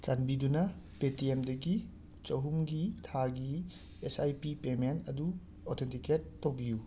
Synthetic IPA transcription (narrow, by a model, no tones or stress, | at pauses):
t͡ʃanbidunɐpetiemdɐɡi | t͡ʃɐɦumɡitʰaɡi | esajpipemenɐdu | otʰentiketːowbiju